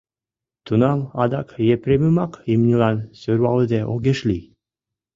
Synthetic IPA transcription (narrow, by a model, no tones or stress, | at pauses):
t̪unɑlɑd̪ɑkjepɾʲeməmɑkimnʲilɑnsøɾwɑləd̪eʔoɣeʃli